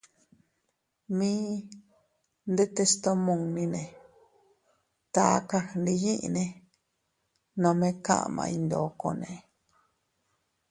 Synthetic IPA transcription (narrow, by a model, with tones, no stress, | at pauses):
mĩ˦ | nd̪e˦t̪e˧st̪o˧mõ˨ŋnĩ˧nẽ˨ | t̪a˨˦ka˧nd̪i˧jĩ˦ʔḭ˧nẽ˧ | nõ˧mẽ˦kã̰˦ʔmã̰˧i˧nd̪o˨ko˧nẽ˨